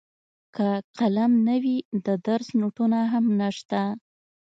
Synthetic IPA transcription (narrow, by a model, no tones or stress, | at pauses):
kaqalamnawid̪əd̪aɾsnuʈunaɦamnaʂt̪a